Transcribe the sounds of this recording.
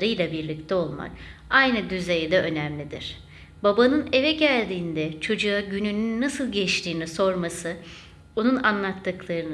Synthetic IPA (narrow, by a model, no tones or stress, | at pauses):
ɾɯjlˠabiɾlʲict̪ʰɛo̞lˠma̰ɾajnɯd̪yzejd̪ɛʔø̞næmlʲid̪ḭɾ̥ | babanɯne̞vɛɟælʲd̪iːnd̪ɛt͡ʃʰo̞d͡ʒuaɟynynynːasɯlˠɟɛt͡ʃt̪ʰiːniso̞ɾmasɯ | bonunanlˠat̪ʰːɯklˠaɾɯn